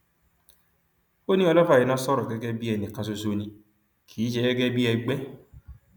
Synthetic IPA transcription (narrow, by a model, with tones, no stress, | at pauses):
o˦nĩ˦ɔ˦˧lɔ˦fa˨i˨nã˦sɔ˦ɾɔ˨ɡɛ˦ɡɛ˦bi˦ɛ˧˨nĩ˨ka˧s̬o˧so˦nĩ˧ | kʰiː˨˦ʃɛ˧˦ɡɛ˦ɡɛ˦bi˦ɛ˧ɡ͡bɛ˦